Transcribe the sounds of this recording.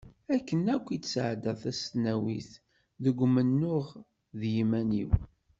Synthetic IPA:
ækːənækʷːit͡sːsʕd̪əðæsnæwiθ | ðəɡʷmənːʊʁ | ðjimæniw

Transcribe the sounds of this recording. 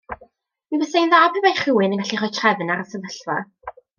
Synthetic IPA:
mivəsajnðaːpʰəbajχɪwɨnənɡaɬiχɔjtʰrɛvnaɾəsəvəɬwa

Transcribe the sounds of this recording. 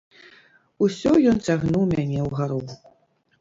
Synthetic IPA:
usʲɔjɔnt͡sʲaɣnuwmʲanʲɛwɣaɾɔw

